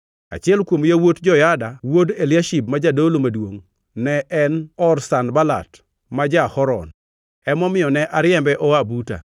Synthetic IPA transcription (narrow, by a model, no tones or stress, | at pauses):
a̰t͡ʃɪɛlkwomjawotd͡ʒɔjadawodeljaʃip̚mad͡ʒadolomadwoŋ | nɛʔɛnɔrsanbala̰t | mad͡ʒahɔɾɔ̰n | ɛmɔmɪjɔnɛʔaɾɪɛmbɛʔɔabuta̰